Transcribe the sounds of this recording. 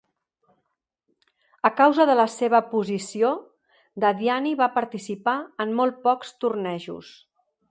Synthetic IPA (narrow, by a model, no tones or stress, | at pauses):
əkawzəðələseβ̞əpuzisio | d̪aðianiβapəɾt̪isipaəmːolˠt̪̚pɔkst̪urnɛʒṵs